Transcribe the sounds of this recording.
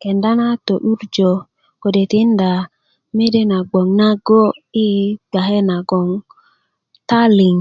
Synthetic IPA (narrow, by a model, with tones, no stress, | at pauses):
ke˨nda˦na˦t̪o˨ʔu˦ɾd͡ʒo˨ | ko˨de˨t̪i˦nda˨ | me˦de˦na˨ɡ͡bo˨ŋna˦ɡo˦i˦ɡ̥a˨ɦe˦na˨ɡo˨ŋ | ta˦li˨ŋ